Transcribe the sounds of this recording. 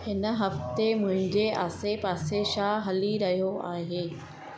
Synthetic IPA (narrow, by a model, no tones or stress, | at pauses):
ɪn̆ɦɐft̪emʊ̃ɦɪ̃ɲd͡ʑeʔaːsepaːseʃaːɦɐliɾɐɦijoaːɦeː